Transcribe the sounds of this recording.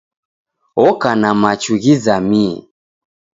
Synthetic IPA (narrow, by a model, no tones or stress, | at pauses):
ɔkanamat͡ʃuɣizamiɛ̰